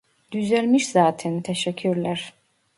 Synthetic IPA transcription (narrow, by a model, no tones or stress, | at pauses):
d̪̥yzælʲmiʃz̥aːt̪ʰɛnt̪ʰeʃɛcʰːyɾlʲæɾ̥